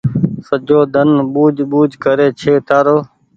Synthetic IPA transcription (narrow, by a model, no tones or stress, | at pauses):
səd͡ʒoːd̪ʱənɓuːd͡ʒɓuːd͡ʒʱkəɾeːt͡ʃʰeːt̪aːɾoː